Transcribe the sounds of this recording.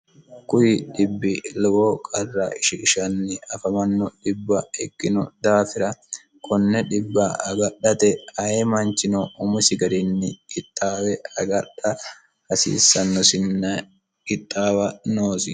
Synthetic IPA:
kʊjɪɗɪbːɪlɔwoːkʼɐrːɐʔɪʃɪɪʃɐnːɪɐfɐmɐnːɔɗɪbːɐɛkːɪnɔd̪aːfɪɾɐ | kʰʼɔnːɛɗɪbːɐɐɡɐɗːɐt̪ɛhɐjɛmɐnt͡ʃːɪnɔʔːmʊsɪɡɐɾɪnːɪɪt̪ʼːaːwɛɐɡɐɗɐ | hɐsḭːsːɐnːɔsɪnːɐ | ɪt̪ʼːaːwɐnoːsɪ

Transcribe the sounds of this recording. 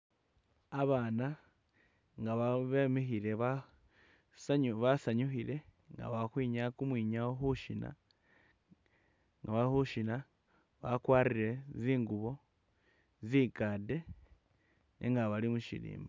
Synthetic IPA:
aβaːna | ŋɡaβaβemexiɾe̞βa | sβasaɲuxiɾe̞ | ŋɡa̰βaxwiːɲakumwiːɲawoxuʃina̰ | ŋɡaβaxuʃina | βakwaːriɾe̞ziːŋɡuβo̞ | ziɡade̞ | nʔiŋɡaβalimuʃḭɾḭːmba

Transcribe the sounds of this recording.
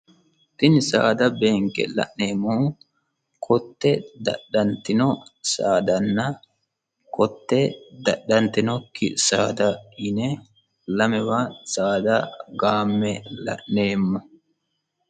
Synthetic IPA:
t̪ɪnsa̰ːd̪ɐbeːŋkɛ̰lɐ̰ʔneːmːɔhʊ | kʰɔt̪ːɛd̪ɐ̰ɗːɐnt̪ːɪnɔsaːd̪ɐnːɐ | kɔt̪ːɛd̪ɐɗːɐnt̪ɪnɔkɪsaːd̪ɐɪnɛ | lɐmɛwasaːd̪ɐɡaːmːɛlɐ̰ʔne̞ːmːɔ

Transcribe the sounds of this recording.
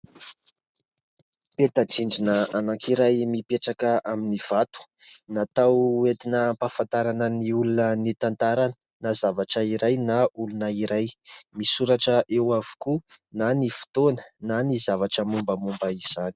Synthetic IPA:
pet̪ad͡ziɳd͡ʒinəanakʰiɾajmipeʈ͡ʂakəʔaminiv̥at̪u̥ | nat̪awet̪inəmpafant̪aɾanəniulunənit̪ant̪aɾanə | nazavaʈ͡ʂəiɾajnaulunəiɾajmisuɾaʈ͡ʂəʔewavu̥ku | nanifi̥t̪onə̥nanizavaʈ͡ʂəmumbəmumbəiz̥ani̥

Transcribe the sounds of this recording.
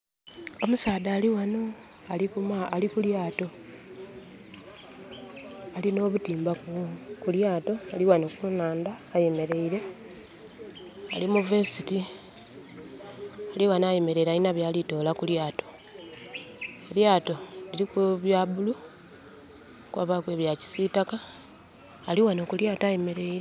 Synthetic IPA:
o̞musaːðaːliwano | alikumːlikuljaːto̞ | alino̞ːβutiːmbakukuljaːto̞aliwanokunaːndaːje̞me̞ɾe̞iɾe̞ | alimuvesiti | aliwanajeme̞ɾe̞iɾainaβjaːlito̞ːlakuljaːto̞̥ | eljaːto̞liɾikuβjaβulu | kwa̰βakwe̞βjaci̥sitakaː | liwanokuljaːtoaje̞me̞ɾe̞iɾe

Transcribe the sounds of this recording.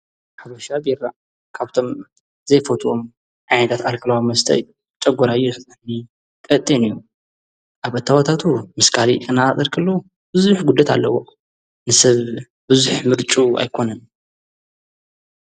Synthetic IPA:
ħaβɐʃabiɾa̰ | kʰaβt̪ʰo̞m | zɐjfot̪ʰuom | ʕajnɐt̪ʰat̪alkʰɨlawimɐst̪ʰɐ̰ju | t͡ʃʼɐɡʷːɐɾajuħɨzʼɨħni | kʼɐt̪ʼːinijːu | ʔaβɐt̪ʰːawat̪ʰat̪ʰumɨskʰalikʼɨnaat̪ʼɐɾkʰɐlːow | b̥ɨzuħɡud̪ɐt̪ʰa̰lːɐwo | nɨsɐβ | bɨzuħmɨɾt͡ʃʼua̰jkʰo̞nɐn

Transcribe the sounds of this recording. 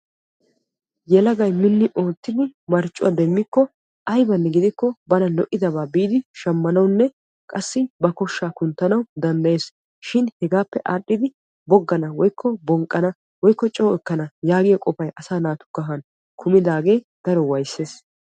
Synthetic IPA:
jɛlɐɡɐjmɪnːɪʔo̞ːt̪ːɪd̪ɪmɐɾt͡ʃʼːʊ̰ʔɐd̪ɛmːɪkːɔ | ʔɐjbɐnːɛɡɪd̪ɪkːɔbɐnɐlɔʔɪd̪ɐβaːbiːd̪ɪʃɐmːɐnɐwnːɛ | kʼɐsːɪbɐkɔʃːaːkʊnt̪ːɐnɐwd̪ɐnd̪ɐje̞ːs | ʃɪnhɛɡaːpːɛʔaːɗːɪd̪ɪ | bɔɡːɐnɐwɔjkʰːɔbɔŋkʼːɐnɐ | wɔjkːɔt͡ʃʼoːɛkːɐnɐjaːɡɪjɐkʼɔfɐjʔɐsaːnaːt̪ʊ̥ɡ̥ɐɦɐn | kʰʊmɪd̪aːɡe̞ː | d̪̥ɐɾɔwɐjsːeːs

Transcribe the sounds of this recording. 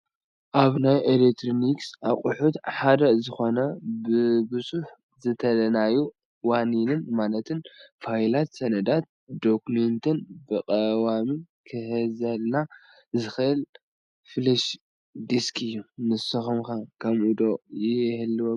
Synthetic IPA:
ʔaβnajʔelek̚t̪ʰɾoniksaqʼʊħut̪ħad̪ɐzɨxo̞nɐbɨbɨzʼuħ | zɨt̪ʰɐlɐnaju | waninɨnmalɐt̪ʰɨnfajlat̪sɐnɐd̪at̪̚d̪okument̪ʰɨnbɨkʼɐwami | kʰɨhɨzɐlna | zɨxɨʔɨl | fɨlɐʃ | d̪iskʰɨjːunɨsɐxumkakʰɐmʔud̪ojɪhɨlːɨwo

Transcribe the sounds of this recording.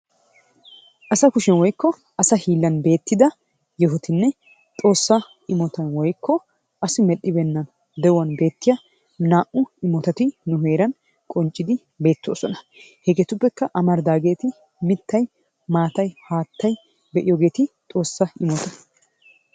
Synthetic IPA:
ʔɐsɐkʊʃɛnwɔjkːɔ | ɐsɐhiːlːɐnbe̞ːt̪ːɪd̪ɐ | jɛɦʊt̪ɪnːɛ | t̪ʼo̞ːsːɐ | ɪmɔt̪ɐnwɔjkːɔ | ʔɐsɪmɛʔɪbɛnːɐn | d̪ɛwɐnbe̞ːt̪ːɪjɐ | naːʔʊɪmɔt̪ɐt̪ɪnʊɦe̞ːɾɐn | kʼɔnt͡ʃʼːɪd̪ɪ | be̞ːt̪ːo̞̰ːsɔnɐ | hɛɡet̪ʊpːɛkːɐʔɐmɐɾd̪aːɡe̞ːt̪ɪ | mɪt̪ːɐj | maːt̪ɐjhaːt̪ːɐj | bɛʔɪjɔɡe̞ːt̪ɪt̪ʼo̞ːsːɐɪmɔt̪ɐ̥

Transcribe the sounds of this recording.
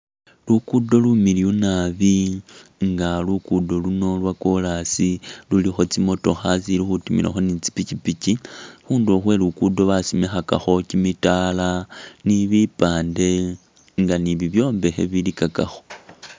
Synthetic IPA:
lukudo̞lumiliunaβi | ŋɡalukudo̞luno̞lwakolasilulixo̞t͡simo̞to̞xasilixutimḭla̰xo̞nit͡si̥picipicixuːndoxwelukudo̞βasimexaka̰xo̞cimitalaniβipaːnde̞ | ŋɡaniβiβjo̞ːmbe̞xe̞̰βilikakaxo̞

